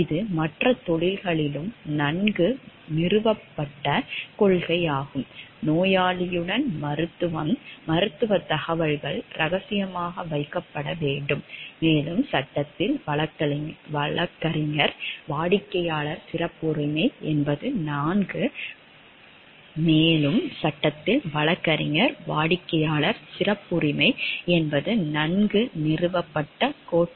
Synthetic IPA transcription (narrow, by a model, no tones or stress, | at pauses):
ɪðɯmɐʈrɐt̪ɔɭɪlɣɐɭɪlɯmnɐnɡɯ | nɪɾɯʋɐpːɐʈːɐkɔɭɣɐɪjaːɣɯmnoːjaːɭɪjɯɽɐnmɾɯt̪ːɯʋɐmmɐɾɯt̪ːɯʋɐt̪ːɐɣɐʋɐɭɣɐɭɾʔɐɣɐsɪjɐmaːɣɐʋɐɪkːɐpːɐɽɐʋeːɳɖɯmːeːlɯmsɐʈːɐt̪ːɪlʋɐɭɐʋɐɭɐkːɐɾɪŋɐɾʋaːɽɪkːɐjaːɭɐɾsɪrɐpːʊɾɪmɐɪɛnbɐðɯnaːŋɡɯ | meːlɯmsɐʈːɐt̪ːɪlʋɐɭɐkːɐɾɪŋɐɾʋaːɽɪkːɐjaːɭɐɾsɪrɐpːʊɾɪmɐɪɛnbɐðɯnɐnɡɯnɪrɯʋɐpːɐʈːɐkoːʈː